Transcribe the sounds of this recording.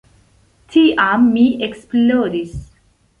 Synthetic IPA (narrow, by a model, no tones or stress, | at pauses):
t̪ʰiʔamːiʔeksploːɾis